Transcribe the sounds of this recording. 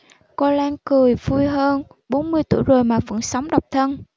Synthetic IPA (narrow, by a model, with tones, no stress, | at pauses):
kɔ˧laː˧nkɨ˨˩əjvu˧jɦəː˧n | ɓo˨˦nmɨ˧əjt̪ṵ˧˩əjzo˨˩jmaː˨˩və̰˧˥nsa˨˦wŋ͡mɗa˨˩wk͡p̚t̪ʰə˧n